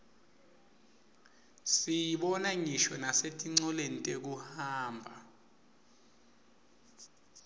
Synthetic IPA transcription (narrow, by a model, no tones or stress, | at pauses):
sijiɓɔnaŋiʃɔnasetʼiŋ͡ǀɔlentʼek̬uhaːmbʱa